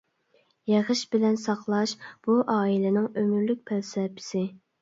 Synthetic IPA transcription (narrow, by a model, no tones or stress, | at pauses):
jeʁəʃbɪlɛnsɑqlˠɑʃb̥uʔɑːilɪnɪŋømyɾlyk̚ʲpʰɛlsɛpʰɪ̥sɪ